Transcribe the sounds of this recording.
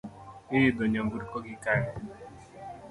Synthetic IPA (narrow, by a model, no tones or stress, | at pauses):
ɪɪdoɲambuɾkɔɡɪkaɾɛ